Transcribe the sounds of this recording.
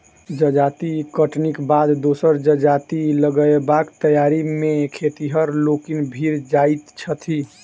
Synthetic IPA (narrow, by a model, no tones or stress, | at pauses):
d͡ʒəd͡ʒat̪ikəʈnikbad̪d̪osəɾd͡ʒəd͡ʒat̪iləɡəebakt̪əjaɾimekʰet̪iɦəɾlokinbʱiɾd͡ʒait̪t͡ʃʰət̪ʰi